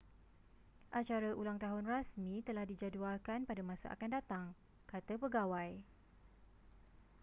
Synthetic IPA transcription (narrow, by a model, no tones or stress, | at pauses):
ʔat͡ʃaɾaʔulaŋt̪aɦʊnrasmĩt̪əlahdid͡ʒadualkanpadamãsa̰ʔa̰kandat̪aŋ | kat̪apəɡawaj